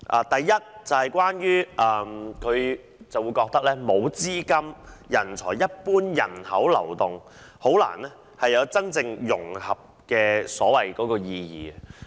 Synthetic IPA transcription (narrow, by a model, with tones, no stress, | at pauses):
ʔaː˨˩t̪ɐ˨jːɐ˥t̚t͡sɐ˨whɐ˨˩jkʷaː˥njyː˥ʔɐː˨˧mkʰɵ˨˧ɥ | t͡sɐ˨wuː˨˧jkɔː˧k̚t̪ɐ˥k̚lɛː˥mo˨˧wt͡siː˥kɐ˥mjɐ˨˩nt͡sʰɔː˨˩jjɐ˥t̚puː˥njɐ̰˨˩nhɐ˨˥wlɐ̰˨˩wt̪ʊ˨ŋ | ho˨˥wla̰ː˨˩nɛ˥ | hɐ˨jɐ˨˧wt͡sɐ˥nt͡sɪ˧ŋjʊ˨˩ŋhɐ˨p̚kɛː˧sɔː˨˥wɐ˨jkɔː˨˧˥kɔː˧jiː˧jḭː˨